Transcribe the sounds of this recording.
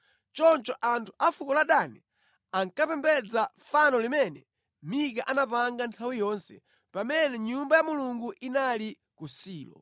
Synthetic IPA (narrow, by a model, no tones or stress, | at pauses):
t͡ʃɔnt͡ʃɔʔantʰu̥ʔafukɔlaɗanɛ | aŋkapɛmbɛd͡zafanɔlimɛnɛ | mikaʔanapaŋɡantʰawijɔːnsɛ̰ | pamɛnɛɲumbajamuluŋɡuʔinali | kusiːlɔ̰